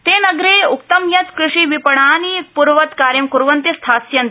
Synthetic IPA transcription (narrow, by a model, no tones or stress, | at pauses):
t̪eːnɐɡɾeːuk̚t̪ɐmjɐt̪kɾɪʂiːʋipɐɳaːnipuɾʋɐt̪kaːɾjɐmkuɾʋɐnt̪ist̪ʰaːsjɐnt̪